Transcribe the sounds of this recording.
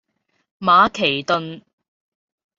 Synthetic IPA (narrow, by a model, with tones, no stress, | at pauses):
maː˨˧kʰe˨˩jt̪ɵ˧n